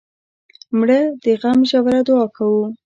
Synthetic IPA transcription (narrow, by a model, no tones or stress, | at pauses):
mɽəd̪̥əɣamʒawɾad̪wɑkʰawu